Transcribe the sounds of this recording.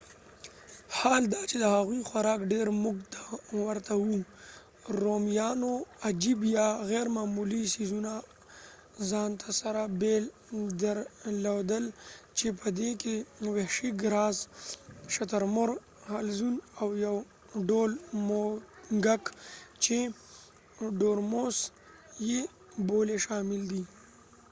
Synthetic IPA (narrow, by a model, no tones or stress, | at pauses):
hɑːld̪at͡ʃed̪əhaɣwixwaɾɑːkɖeɾmʊɡt̪ʰawəɾt̪awu | ɾomjɑnoad͡ʒibjaɣɛɾmamulisizuna | zɑnt̪ʰasaɾabel | d̪əɾlawd̪əlt͡ʃepəd̪ekeweʂiɡɾɑːz | ʃat̪aɾmʊɾ | halzunawjaw | ɖolmoɡakt͡ʃe | ɖoɾmos | je | boleʃɑmɪld̪i